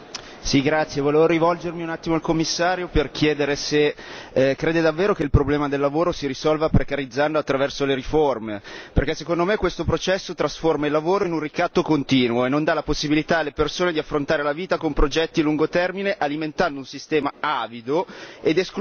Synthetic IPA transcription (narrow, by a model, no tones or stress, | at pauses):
siɡɾat̪sːjevoleːvoɾivɔld͡ʒermiunat̪ːimoalkomːisːaːɾjoperkʰjɛːd̪eɾese | kɾeːd̪ed̪avːeːɾokeilpɾoblɛːmad̪elːavoːɾosiɾisɔlvapɾekaɾid̪zːand̪oat̪ːɾavɛrsoleɾiformeperk̟ɛsekond̪omekːwest̪opɾot͡ʃɛsːot̪ɾasformailːavoːɾoinunrikat̪ːokont̪iːnwoenːond̪alaposːibilit̪aːlːepersoːned̪iafːɾont̪aːɾelaviːt̪akompɾod͡ʒɛt̪ːiluŋɡot̪ɛrmineʔaliment̪and̪ounsist̪ɛːmaaːvid̪oed̪esk